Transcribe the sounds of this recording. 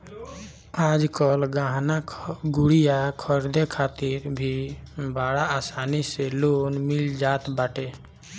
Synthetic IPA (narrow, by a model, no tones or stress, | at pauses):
ad͡ʒkəlɡãɦnaɡuɽijakʰəɾd̪ekʰat̪iɾbʱibaɽaːsaniselonmild͡ʒat̪baʈe